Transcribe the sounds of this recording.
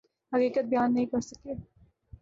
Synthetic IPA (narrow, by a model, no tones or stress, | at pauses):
hɐkiːkət̪̚bɐjaːnːɐɦĩkɐɾsɐkeː